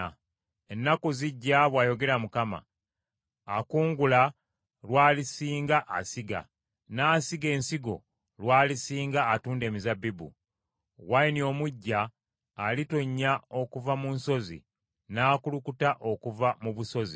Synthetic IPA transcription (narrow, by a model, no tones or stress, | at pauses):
e̞nːakoziɟːaβwaːjo̞ɡe̞ɾamukama̰ː | kuːŋɡula | lwaːlisiːŋɡaʔasiɡa̰ | naːsiɡe̞ːnsiɡo̞ | lwaːlisiːŋɡaːtuːnde̞ːmizabibṵ | wainio̞muɟːaː | litoɲːao̞kuvamunso̞zḭ | naːkulukutaʔo̞kuvamuβuso̞zḭ